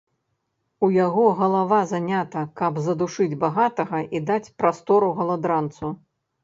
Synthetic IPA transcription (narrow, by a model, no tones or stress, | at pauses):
ujaɣɔɣɐlˠavazanʲat̪ɐkɐbzɐd̪uʂɨd͡zʲbaɣat̪ɐɣɐʔid̪at͡sʲpɾast̪ɔɾuɣɐlˠad̪ɾant̪su